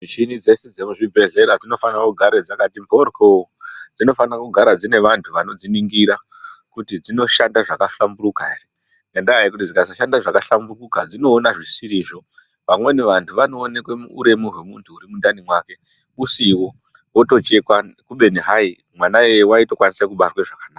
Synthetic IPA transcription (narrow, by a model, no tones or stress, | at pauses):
mit͡ʃinid͡ze̞sed͡zemuʐibʱe̞ɮe̞ɾad͡zino̞fanrakuɡʱaɾed͡zakatimbʱo̞rkod͡zino̞fanrakuɡʱaɾad͡zine̞ʋantʰuʋano̞d͡ziniŋɡiɾa | kutid͡zino̞ʃandaʐakaɬamburukaeri | ŋɡandaaikutid͡zikazaʃandaʐakaɬamburukad͡zino̞ːnaʐisiɾiːʐo̞ | ʋamwe̞niʋantʰuʋano̞ːne̞kwe̞muːɾe̞muɦwe̞muntʰuːɾimundanimwaːke̞ | usiwo̞ | oto̞t͡ʃe̞kwakuɓe̞niɦai | mwanaewaito̞kwanisakuɓarweʐakanaːa